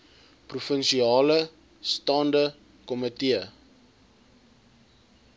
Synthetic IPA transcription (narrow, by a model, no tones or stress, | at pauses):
prufənʃiɑːlə | stɑːndə | kɔmətiə